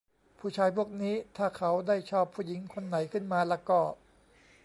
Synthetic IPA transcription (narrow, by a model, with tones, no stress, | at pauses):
pʰuː˥˩t͡ɕʰaː˧jpʰu˥˩ək̚niː˦˥t̪ʰaː˥˩kʰa˦˥wdaː˥˩jt͡ɕʰɔː˥˩pʰːuː˥˩ji˩˦ŋkʰo˧nːa˨˩˦jkʰɯ˥˩nmaː˧lɛː˧˥kɔː˥˩